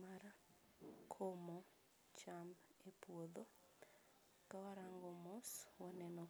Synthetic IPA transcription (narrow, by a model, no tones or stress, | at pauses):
maɾa | kʰomɔ | t͡ʃambepwod̪o | kawaɾaŋɡomoswɔnɛnɔ